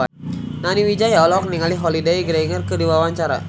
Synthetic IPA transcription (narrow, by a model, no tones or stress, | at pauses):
naniwid͡ʒajaɔlɔk̚niŋaliɦɔlideiɡɾeiŋərkɨdiwawaɲt͡ʃaɾa̰